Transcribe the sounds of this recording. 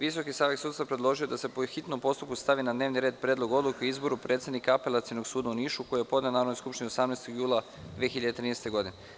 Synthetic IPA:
ʋiso̞kisaːʋeksuːt̪st̪vapɾed̪lˠo̞ʒijo̞d̪ase̞poxit̪no̞mpo̞st̪up̚kust̪aʋinad̪ne̞ːʋniɾe̞ːd̪pɾedlˠoɡo̞d̪lˠukeiizbo̞ɾupɾet̪se̞d̪nikaapelˠat̪sinoɡsuːd̪auniːʃuko̞jijepo̞d̪ne̞naːɾod̪nojskupʃt̪inio̞samnest̪oɡjuːlˠa | d̪ʋeːxiʎad̪et̪ɾiːnest̪e̞ɡo̞d̪ine

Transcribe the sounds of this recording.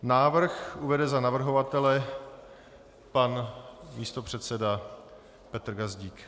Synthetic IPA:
naːvr̩xʔuvɛdɛzanavr̩ɦo̞vat̪ɛlɛ | panmiːst̪o̞pr̝̥ɛt̪sɛda | pɛt̪r̩ɡazɟiːk

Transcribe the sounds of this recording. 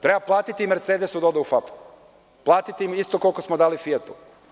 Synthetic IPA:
t̪ɾe̞baplˠaːt̪it̪imeɾt̪sed̪esud̪aod̪aufapu̥ | plˠaːt̪it̪iimist̪okolkosmod̪aːlifiet̪u̥

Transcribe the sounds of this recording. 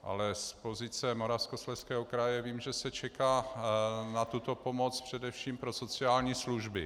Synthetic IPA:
ʔa̰lɛspo̞zɪt͡sɛmo̞ɾafskoslɛskɛːɦokɾajɛviːmʒɛsɛt͡ʃɛkaː | nat̪ut̪o̞po̞mot͡spr̝̥ɛdɛfʃiːmpɾo̞so̞t͡sɪaːlɲiːsluʒbɪ

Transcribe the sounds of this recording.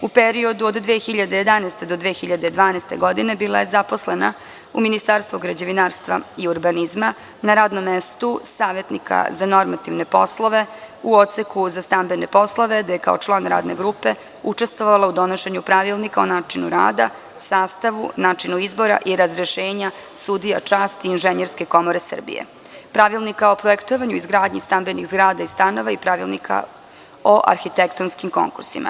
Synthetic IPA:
upeɾio̞d̪uod̪d̪ʋeːxiʎad̪e̞je̞d̪anɛːst̪e̞d̪o̞d̪ʋeːxiʎad̪ed̪ʋaːnɛst̪e̞̰ɡo̞d̪ine̞biːlˠajezapo̞slena | uminist̪aɾst̪vuɡɾad͡ʑeʋinaːɾst̪ʋa̰iuɾbanizma | naɾaːd̪nomːest̪usaːʋe̞t̪nikʰa̰zano̞ɾmat̪iʋne̞po̞slˠoʋe̞uo̞t̪sekuzast̪ambe̞ne̞po̞slˠoʋe̞d̪ajeka̰ot͡ʃlˠaːnɾa̰ːd̪ne̞̰ɡɾupe | ut͡ʂe̞st̪ʋoʋalˠaud̪o̞noʃeɲupɾaʋilˠnikaonaːt͡ʃinṵɾa̰ːd̪a | saːst̪aʋṵnaːt͡ʂinuizbo̞ɾa̰ʔiɾazɾeʃeːɲa | sud̪ijat͡ʂaːst̪iːnʒeɲeɾske̞ko̞mo̞ɾe̞sr̩bḭjḛ | pɾaʋilˠnikaopɾoekt̪oʋaɲuizɡɾaːd̪ɲist̪ambenixzɡɾaːd̪aist̪ano̞ʋaipɾaʋilnikʰa̰ | oʔa̰ɾxit̪ekt̪onskimko̞̰ŋkuɾsḭma̰

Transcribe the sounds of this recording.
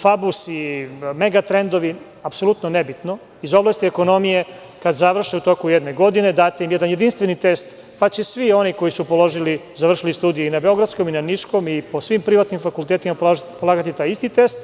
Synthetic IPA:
fabusime̞ɡat̪ɾe̞nd̪oʋi | apso̞lˠut̪nonebit̪no̞ | izo̞blˠast̪ieko̞no̞mije̞ | kad̪zaʋr̩ʃeut̪o̞kujed̪neɡo̞d̪ine̞d̪aːt̪eimjed̪anje̞d̪inst̪ʋenit̪e̞st̪ | pat͡ɕesʋio̞niko̞jisupo̞lˠo̞ʒilizaʋr̩ʃilist̪uːd̪ijuinabe̞o̞ɡɾad̪sko̞minaniʃko̞mipo̞sʋimpɾiʋat̪nimfakulˠt̪eːt̪imappolˠaːɡat̪it̪aːjist̪it̪e̞st̪

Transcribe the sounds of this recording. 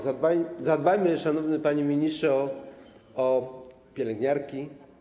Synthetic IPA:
abazad̪̚bajmɘʂanɔvnɘpaɲimʲiɲistʂɛɔ | ɔ | pʲjɛlɛŋɡɲaɾkʲi

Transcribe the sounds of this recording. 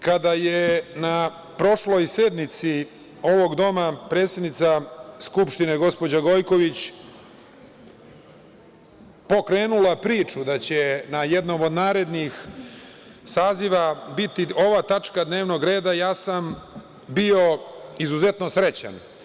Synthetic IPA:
kad̪ajena | pɾo̞ʃlo̞jsed̪nit̪si | o̞ʋo̞ɡd̪o̞mapɾe̞ːt̪sje̞d̪nit̪saskupʃt̪ine̞ɡo̞spod͡ʑaɡo̞jko̞ʋit͡ɕ | po̞kɾe̞ːnulapɾiːt͡ʂud̪at͡ɕenajed̪no̞mod̪naːɾe̞d̪nix | saːziʋabit̪iʔo̞ʋaːt̪at͡ʂkad̪ne̞ːʋno̞ɡɾe̞ːd̪ajaːsam | bio̞izuze̞t̪no̞sɾe̞t͡ɕa̰n

